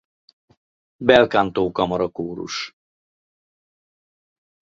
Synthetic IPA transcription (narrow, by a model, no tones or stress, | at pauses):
bɛlkaːnt̪oːkɒmɒɾɒkoːɾṵʃ